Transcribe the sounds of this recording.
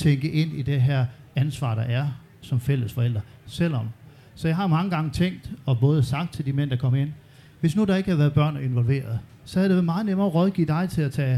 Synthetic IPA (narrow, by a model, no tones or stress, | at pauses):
t͡sʰeŋɡ̥əʔe̝n̰id̥eɦæɐ̰ænsʋɑ̰̈ːɾ̥ɑ̈ʔæɐ | sɒ̽mfel̰əsfɒ̽el̰d̥ʁɐsel̰ɒ̽m | sɒjɑ̈ɪɦɑ̈mɑ̈ŋəɡ̥ɑ̈ŋət͡sʰeŋ̰ɡd̥ɒ̽b̥ɔ̽ːð̞̩ˠsɑ̈ɡ̥̚d̥̚t͡sʰeld̥imen̰d̥ɑ̈kʰɒ̽məe̝n̰ | ʋe̝snud̥ɑ̈e̝ɡəhæɐʋæɐðˠb̥ɶɐ̰ne̝nʋɒ̽lʋe̝̰ːɐð̞̩ˠ | sɒ̽æɐɾ̥e̝ʋæmɑ̈ːð̩ˠnemɐʁɒð̞ˠɡ̥iːd̥ɑ̈ɪt͡sʰe̝læt͡sʰɛ̰ː